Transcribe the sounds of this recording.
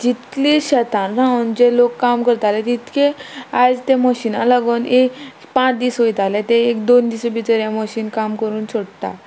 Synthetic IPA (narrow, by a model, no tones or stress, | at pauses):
d͡ʑit̪liɕət̪ãnɾãund͡ʑelokːamkəɾt̪alɛt̪it̪kʰeajd͡zt̪eməɕinaləɡənek | pãt͡sd̪isɦojt̪alɛt̪eekd̪ond̪isəbit͡səɾjaməɕiːnkamkəɾuːnt͡ɕoɽt̪a̰